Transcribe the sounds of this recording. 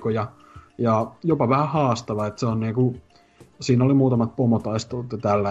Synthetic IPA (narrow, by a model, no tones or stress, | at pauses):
kojɑ | jɑjopɑʋæhæhɑːst̪ɑʋɑet̪seonniːku | siːnolimuːt̪ɑmɑt̪̚pomot̪ɑist̪ot̪ɑt̪ælːæ